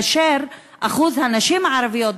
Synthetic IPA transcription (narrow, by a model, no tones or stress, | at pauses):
ʃeɾ | ʔaχuzhanaʃimaʕaɾavijot̪